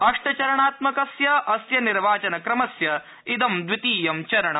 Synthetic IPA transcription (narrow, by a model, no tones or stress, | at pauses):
ɐʂʈɐt͡ʃɐɾɐɳaːt̪mɐkɐsjɐʔɐsjɐniɾʋaːt͡ʃɐnɐkɾɐmɐsjɐ | id̪ɐmd̪ʋit̪iːjɐmt͡ʃɐɾɐɳɐ